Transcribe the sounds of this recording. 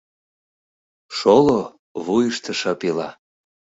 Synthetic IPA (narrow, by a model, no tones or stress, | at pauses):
ʃolo | βujəʃt̪ə̆ʃɑpilɑ